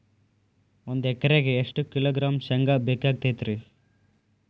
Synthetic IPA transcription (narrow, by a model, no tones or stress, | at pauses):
ond̪uɛkːɐɾeɡeeʂʈukiloːɡɾaːmsɐŋɡaːbekːaːɡ̚t̪ejt̪ɾi